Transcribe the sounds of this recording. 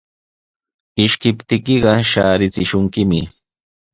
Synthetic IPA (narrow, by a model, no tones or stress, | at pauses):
ɪʃkɪpt̪ɪkɪɢɑʃaːɾɪt͡sɪʃʊŋkɪmɪ